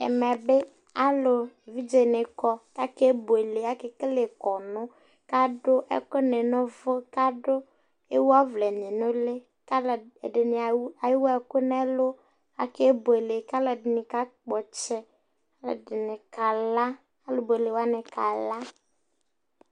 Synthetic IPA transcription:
ɛ̰˨mɛ˨bɪ˦ | a˦lʊ˨e˨vi˦d͡ʒe˨nɪ˨kɔ˦ka˦ke˦bo˨e˨le˨a˦kɪ˦kle˨kɔ˨nʊ̃˦ | ka˦dʊ˦ʔɛ̰˦kʊ˦nɪ˨nʊ̃˦vʊ˦ka˦ɖʊ˦ | e˦wu˦a˦vlɛ˨ɲɪ˨nʊ̃˦lɪ˦ | ka˦ldɪ˨nɪ˨a˨jɪ˦wa˦˨kʊ˦nɛ˦lʊ˦ | a˨ke˦bʊ˨e˨le˨ka˦lɔ˨dɪ˨nɪ˨ka˦k͡pɔ˨t͡ʃɛ˦ | a˦lʊ̰˨dɪ˨nɪ˨ka˨la˦ | a˦lʊ˨bo˨e˨le˨wa˦nɪ˨ka˨la˦

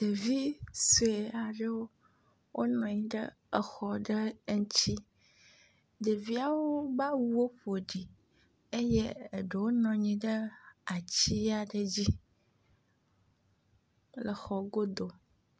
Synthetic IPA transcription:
d̪̥ə˨vi˦so˨e˨a˨ɖə˦wo˦ | wʔo˦nɔ̃˨ɲĩ˦ɖə˦ | ə˨xɔ˨ɖə˦ŋ̩˦t͡ɕi˦ | d̪ə˨vi˦a˦wo˦ba˦wu˦wo˦ɸo˨ɖi˨ | e˦jɛ˦ə˨ɖə˨wo˦nɔ̃˨ɲĩ˦ɖə˦a˨t͡ɕi˦a˨ɖə˨d͡ʑi˦ | lə˨xɔ˨ɡo˦d̪o˨

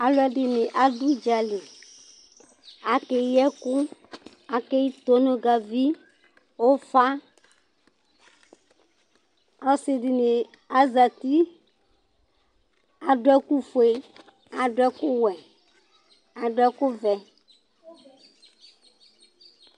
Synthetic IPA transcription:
a˨lʊ˦ɛ˦ɖɪ˨nɪ˨ʔa˨ɖu˦d͡ʒa˨li˨ | a˨ke˨jɛ˦kʊ˦ | a˨ke˦ji˦t̪o˦nõ˦ɡa˨vi˦ | wo˦fa˦ | a˦sɪ˨ɖɪ˨nɪ˨ | a˦za˨t̪i˦ | a˨dʊ˦ɛ˦ku˦fo˨e˦ | a˨ɖʊ˦ɛ˦kʊ˦wɛ˨ | a˨ɖʊ˦ɛ˦kʊ˦vɛ˨

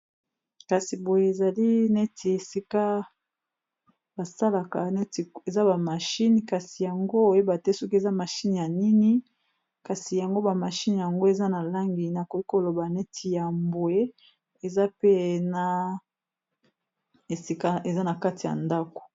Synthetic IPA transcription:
ka˨si˨bo˨je˨e˨za˨li˦ne˦tʰi˨e˨si˦ka˦ | ba˨sa˦la˨ka˨ne˦ti˨e˨za˦ba˨ma˨ʃi˦ni˨ka˨si˨ja˨ŋɡo˦o˨je˦ba˨te˦so˦ki˦e˨za˦ma˨ʃi˦n˨ja˨ni˦ni˦ | ka˨si˨ja˨ŋɡo˦ba˨ma˨ʃi˦n˨ja˨ŋɡo˦e˨za˦na˨la˦ŋɡi˨na˨ko˨i˦ko˨lo˨ba˨ne˦tʰi˨ja˨mbo˨e˦ | e˨za˦pe˦˨na˨ | e˨si˦ka˦e˨za˦na˨ka˦ti˨ja̰˨nda˦ko̥˨

